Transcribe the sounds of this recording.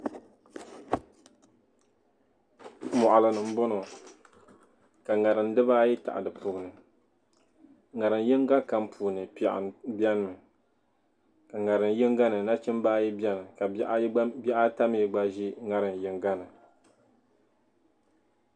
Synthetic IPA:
mɔ˨ʔa˨lɨ˨nɨ˨m̩˦bɔ˦nɔ˨ | ka˨ŋa˨ɾɨ˨n˦dɨ˦baː˦ji˦ta̰˨ʔa̰˨dɨ˨pʰu˨ɡɨ˨nɨ˨ | ŋa˨ɾɨ˨n˦jɪ˦ŋ˦ɡa˦ka˦m˦pʰu˨nɨ˨pɛ˨ʔɪ̰˨n˨bja˦nɨ˦˨mɨ˨ | ka˨ŋa˨ɾɨ˨n˦jɪ˦ŋɡa˦nɨ˨na˦t͡ʃɪ˦mbaː˦ji˦bʲɛ˦nɨ˨ka˨˦ʔbɛ˦ʔa˦ta˦m˦i˨ɡ͡ba˦ʒi˦ŋa˨ɾɨ˨n˨jɪ˦ŋɡa˦nɨ˨

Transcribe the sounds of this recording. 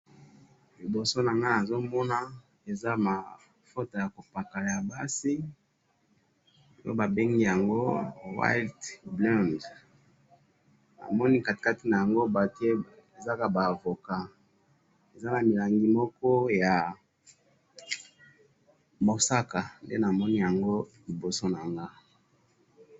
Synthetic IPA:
li˨bo˨so˦na˨ŋa˦na˨zo˦mɔ˦na˦ | e˨za˦ma˨ | fo˦ta˨ja˨ko˨pa˨ka˨ja˨ba˦si˦ | jo̰˦ba˨be˦ŋɡi˦ja˨ŋɡo˦wa̰˦ltblɔ˦nd | na̰˨mɔ˦ni˦ka˨tka˦ti˨˦na˨ja˨ŋɡo˦ba˨ke˦ | e˨za˦ka˨ba˨vo˨ka˦ | e˨za˦na˨mi˨la˨ŋɡi˦mɔ˦kɔ˦ja˨ | bo˨sa˦ka˨ndḛ˦na˨mɔ˦ni˦ja˨ŋɡo˦li˨bo˨so˦na˨ŋɡa˦

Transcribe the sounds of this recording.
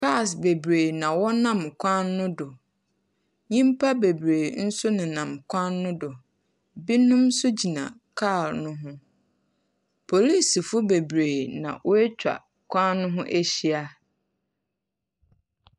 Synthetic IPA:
ka˦˨sbe˨bɾe˨nã˨wɔ˦nã˦˨mkʷʰã˦nːʊ̃˦dʊ˨ | ɲĩ˦mpʰa˦be˨bɾe˨n̩˦sʊ˦nɪ̃˨nã˨mkʷʰã˦nːʊ̃˦dʊ˨ | bi˦nʊ̃˦msʊ˦d͡ʑi˨nã̰˨kʰa˦˨lnʊ̃˦ɦʊ̃˦ | pʰo˨li˦˨sfʊ˦be˨bɾe˨nã̰˨ʔʊ˦ɛ˦t͡ɕᶣa̰˨ | kʷʰã˦nnːʊ̃˦ɦʊ̃˦ʔe˦ɕi˦a˦

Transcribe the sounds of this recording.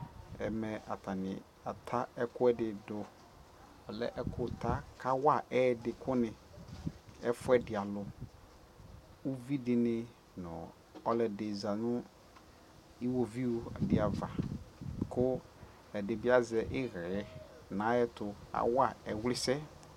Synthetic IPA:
ɛ̰˨mɛ˨a˨tʰa˨nɪ̃˨ | a˨tʰa˦ɛ˦kʰʊ˦ɛ˦dɪ˨dʊ˨ | ɔ˨lɛ̰˦ʔɛ˦kʰʊ˨tʰa˦kʰa˦wa˦˨ɛ˦˨dɪ˨kʰʊ˦nɪ̃˨ | ɛ˦fʊ˦ɛ˦dɪ˨a˨lʊ˨ | u˦vi˦dɪ˨nɪ̃˨ | nʊ̰̃˨ | ɔ˦lɛ˨dɪ˨za˨nʊ̃˦ | i˦wo˨vi˦o˨dɪ˨a˨va˨ | kʰʊ˦ | ɛ˨dɪ˨bɪ˦a˦zɛ˨ʔɪ˦ɣɛ˨ɛ˦ | nã˨˦jɛ˦tʊ˨a̰˨wa˦˨ɛ˨wlɪ˦sɛ˦

